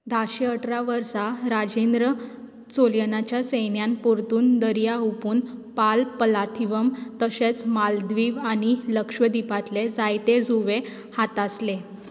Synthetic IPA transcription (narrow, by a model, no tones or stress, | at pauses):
d̪ʱaɕeəʈɾaʋəɾsaɾad͡ʑend̪ɾə | t͡soljənat͡ɕjasejnjanpuɾt̪uːnd̪əɾijaɦupuːnpalpəlat̪ʰiʋəmt̪əɕet͡smald̪ʋiːʋaɽ̃iləkʂʋəd̪ipat̪led͡zajt̪ed͡zuʋe | hat̪asle